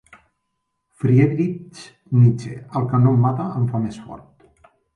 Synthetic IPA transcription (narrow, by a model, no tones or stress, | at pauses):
fɾiedɾit͡ʃ | nit͡ʃḛəlˠkənomːat̪aəɱfamesfɔ̰ɾt̪̚